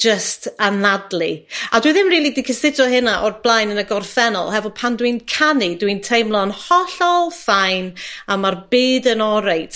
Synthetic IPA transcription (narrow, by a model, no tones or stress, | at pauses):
d͡ʒəstʰanadlˠiadwiðɪmriːlˠidikʰəsɪd͡ʒɔɦɪnaʔɔrblˠajnənəɡɔrθɛnɔ̰lˠhɛvɔpʰandwinkʰanidwintʰejmlˠɔnhɔɬɔlˠfajnamarbɨːdənɔɾejtʰ